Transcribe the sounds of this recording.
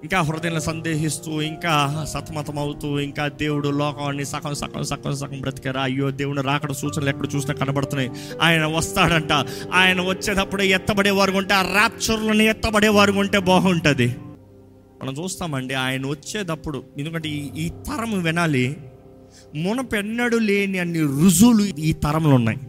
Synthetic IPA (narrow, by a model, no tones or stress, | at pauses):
iŋkaːɦʊɾɐd̪inɐlɐsɐnd̪e̞ːɦist̪uːiŋkaːsɐt̪ʰɐmɐt̪ɐmɐwut̪uːiŋkaːd̪e̞ːwuɽulɔːkɐmɐnːisɐkʰɐmsɐ̰kʰɐ̰msɐkʰɐ̰msɐkʰɐmpɾɐt̪i̥kɐɾaɐjːoːd̪e̞ːwuɽniɾaːkɐɽɐsuːt͡ʃɐnlɛːkpɐɽut͡ʃuːsinaːkɐnɐbɐɽt̪unːɐj | aːjɐnɐʋɐst̪aːɽɐɳʈaːaːjɐnɐʋɐt͡ʃːeːd̪ɐpːuɽuɛt̪ːɐbɐɽeːʋaːɾukuɳʈeaɾaːpt͡ʃɐɾulɐniɛt̪ːɐbɐɽeːʋaːɾukuɳʈe̞ːbɔːɦɐuɳʈɐːd̪i | mʔɐ̰nɐmt͡ʃuːst̪aːmɐɳɖiaːjɐnɐʋɐt͡ʃːeːd̪ɐpːuɽuend̪uk̬ɐɳʈeːiːt̪ɐɾɐmʋinaːli | mɔnɐpɛnːɐɽule̞ːniɐnːiɾud͡ʒuːluiːt̪ɐɾɐmlunːa̰ːji